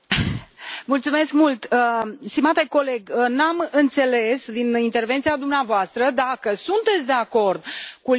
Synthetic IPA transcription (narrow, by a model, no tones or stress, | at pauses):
mult̪sume̞skmult̪əst̪imat̪eko̞le̞ɡənamɨnt̪se̞le̞sd̪inint̪e̞rve̞nt̪sijad̪umneavoast̪ɾəd̪akəsunt̪e̞t̪sʲd̪e̞ako̞rd̪̚ku